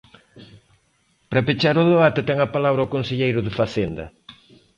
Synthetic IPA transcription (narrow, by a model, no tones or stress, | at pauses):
pɾɐpet͡ʃaɾʊðeβat̪ɪt̪ɛŋɐpalaβɾɐokonseʎejɾʊðɪfaθend̪ɐ̰